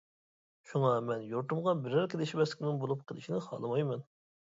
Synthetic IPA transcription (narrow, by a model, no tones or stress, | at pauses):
ʃuŋɑmɛnjoɾt̪umʁɑbɪɾæɾkʲʰelˠɪʃimɛslɪkʲʰnɪŋbolˠup̚qʰəlˠɨʃinɪχɑ̰lˠɨmɑjmɛn